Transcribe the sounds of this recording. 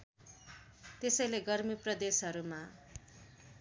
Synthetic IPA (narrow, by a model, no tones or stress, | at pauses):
t̪esʌjleɡʌrmiprʌd̪esɦʌɾuma